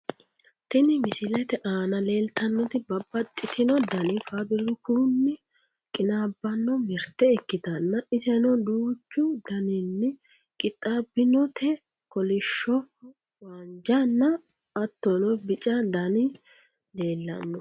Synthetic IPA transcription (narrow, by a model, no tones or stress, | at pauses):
t̪ɪnɪmɪsɪlɛt̪ɛʔaːnɐle̞ːlt̪ɐnːɔt̪ɪbɐbːɐt̪ʼːɪt̪ʰɪnɔd̪ɐnɪfabɪlʊkunːɪ | kʼɪnaːbːɐnːɔmɛɾt̪ːɛɛkːɪt̪ɐnːɐɪsɛnɔd̪uːt͡ʃːʊd̪ɐnɪnːɪ | kʼɪt̪ʼːabɪnɔt̪ʰɛ | kɔlɪʃːɔ | waːnd͡ʒanːɐː | t̪ːɔnɔbɪt͡ʃʼɐd̪ɐnɪ | leːlːɐ̰nːɔ